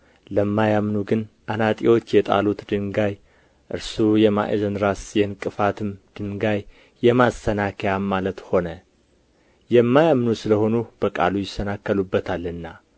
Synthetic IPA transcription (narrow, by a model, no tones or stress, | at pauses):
ləmːajamnuɡɨnʔanat̪ʼiwo̞t͡ʃːjɛt̪ʼa̰lut̪d̪ɨŋɡaj | ʔɨ̰ɾsujɛma̰ʔḛzənɾasjɛnkʼɨfat̪ʰɨmd̪̥ɨŋɡajː | ɛmasənakʰəjamalət̪ho̞nə | jɛmːajamnusɨləho̞nub̥əkʼa̰lujɪsːənakːəlubːət̪ʰalːɨnːa